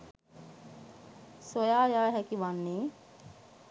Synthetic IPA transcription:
sʋojaːjaːɦækiʋanːeː

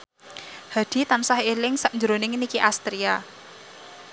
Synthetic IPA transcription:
ha̤d̪̥i̤t̪ansahelɪŋsaʔnd͡ʒəɾonɪŋnikiʔast̪ɾia

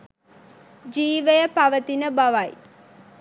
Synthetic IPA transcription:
d͡ʒiːʋəjəpaʋət̪inəbaʋaj

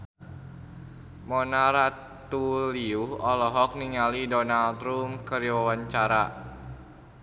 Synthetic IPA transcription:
mɔnaɾa | t̪uliuhɔlɔɦɔk̚niŋalidɔnalt̪ɾumkəɾiwawaɲt͡ʃaɾa

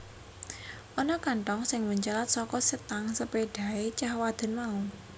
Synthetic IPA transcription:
ʔɔnɔkaɳʈɔŋsɪŋməɲt͡ʃalat̪̚sɔkɔsət̪aŋsəpeɖ̪̥a̤et͡ʃahwad̪̥ə̤nmau

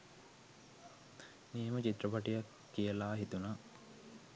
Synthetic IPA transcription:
miemət͡ʃit̪ːɾəpaʈijakːijəlaːɦit̪una

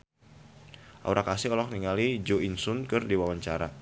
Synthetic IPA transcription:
ʔa̰uɾakasɪɦɔlɔk̚niŋalid͡ʒoinsʊnkɨrdiwawaɲt͡ʃaɾa̰

